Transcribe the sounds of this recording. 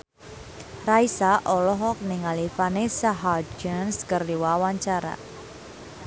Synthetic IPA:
raisaʔɔlɔɦɔk̚nɪŋalifanesaɦad͡ʒənskərdiwawaɲt͡ʃaɾa̰

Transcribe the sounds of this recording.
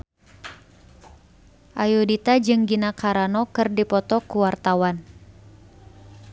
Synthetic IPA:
ʔajudit̪ad͡ʒɨŋɡinakaɾanɔkɨrdipɔt̪ɔkuwart̪awan

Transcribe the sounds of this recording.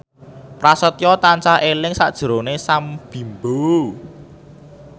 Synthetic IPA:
pɾasət̪jɔt̪ant͡ʃahelɪŋsa̰ʔd̥ʒ̥ə̤ɾonesamb̥i̤mbo

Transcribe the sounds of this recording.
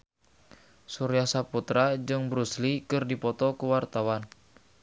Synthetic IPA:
suɾiasaput̪ɾad͡ʒɨŋbɾuslikɨrdipɔt̪ɔkuwart̪awan

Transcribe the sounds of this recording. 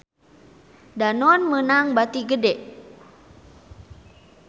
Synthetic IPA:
danɔnmənaŋbat̪iɡədɛʔ

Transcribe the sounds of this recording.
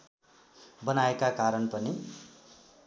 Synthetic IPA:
bʌnaekakaɾʌnpʌni

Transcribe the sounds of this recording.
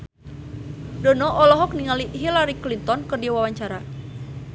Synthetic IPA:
dɔnɔʔɔlɔɦɔk̚niŋaliɦilaɾiklint̪ɔnkɨrdiawawaɲt͡ʃaɾa

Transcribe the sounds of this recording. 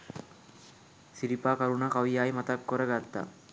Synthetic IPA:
sɪɾipaːkɐɾunakɐʋijaːjmɐt̪ɐkːoɾɐɡaːt̪ːa̰

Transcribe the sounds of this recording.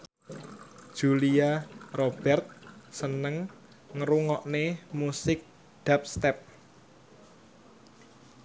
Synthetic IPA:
d̥ʒ̥uliarob̥ɛrt̪̚sənəŋ | ŋɾuŋɔʔnemusɪk̚ | d̪̥ap̚st̪ɛp̚

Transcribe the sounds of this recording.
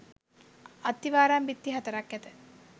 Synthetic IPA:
at̪ːiʋaːɾambit̪ːiɦat̪əɾakjæt̪ə

